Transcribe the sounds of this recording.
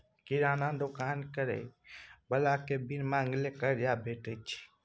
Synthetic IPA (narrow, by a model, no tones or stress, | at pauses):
kiɾanad̪okankəɾɛ̰bəlakebʱinmãəŋɡlekəɾjabʱeʈət͡ʃʰi̥